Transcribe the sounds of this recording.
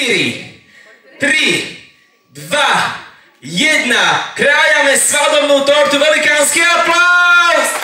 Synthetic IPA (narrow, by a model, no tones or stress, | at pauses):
ɾi | t̪ɾi | d̪va | jɛd̪nakɾajɐnɛsvad̪omnut̪ɔɾt̪uvɛlˠikãnskiɐplˠas